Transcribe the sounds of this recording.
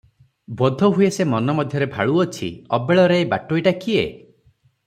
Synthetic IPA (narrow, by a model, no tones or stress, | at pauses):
bɔd̪ʱɔɦuesemɔnɔmɔd̪ʱjɔɾebʱa̰ɭuɔt͡ʃʰḭɔbeɭɔɾeːba̰ʈoiʈakiḛ